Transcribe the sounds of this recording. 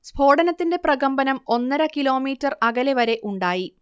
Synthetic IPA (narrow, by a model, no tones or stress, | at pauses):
sbʱo̞ːɽɐnɐt̪ːinde̞prɐɣɐmbɐnɐmo̞nːɐɾɐkilo̞ːmiːtːɐrɐɡɐleʋɐɾe̞ʔuɳɖaːji